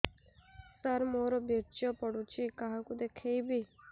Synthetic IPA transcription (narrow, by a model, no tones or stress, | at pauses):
səɾmoɾobʱeɾt͡ʃopəɽũt͡ʃʰikaɦãkud̪ekʰejbʱi